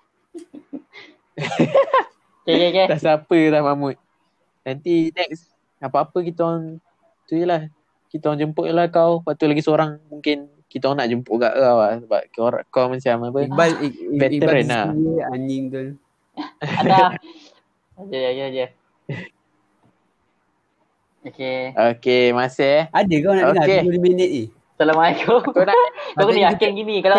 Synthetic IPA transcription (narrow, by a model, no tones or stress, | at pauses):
kekɛkɛdasapəlahmamʊt̪̚ | nant̪inɛk̚s | apaːpək̬it̪aŋ | t̪ujəlah | kit̪aãŋd͡ʒəmpʊʔulahkawwat̪ulaɡisəoɾaŋmuŋkɪn | kit̪aanaʔd͡ʒəmpʊʔɡa̰ʔkawasəba̰p̚ɾa̰ʔkawmansiamapəavɛt̪əɾənaaɲiŋt̪u | ada | ad͡ʒakead͡ʒa | okeokemasɛadəkawnaʔoakeuliminit̪i | səlamaikoanakakəniakɛnɡinikala